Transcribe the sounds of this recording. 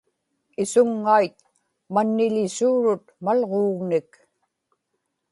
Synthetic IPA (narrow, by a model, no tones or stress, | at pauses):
ɪsʊŋːajt̪̚ | manːɪlɪsuːɻʊt̪̚malʁoːɣnɪk